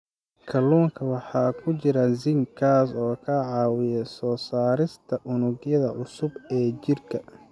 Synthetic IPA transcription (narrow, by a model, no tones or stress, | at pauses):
kʰɐluːŋkʰɐwɑħɑːkʰʊt͡ʃɪɾɐzɪŋkʰaːsɔːkʰɐʕɑːwɪjɛsɔːsaːɾɪst̪ʰɐʔʊnʊɡjɐðɐʔʊsʊbɛːt͡ʃɪrkʰɐ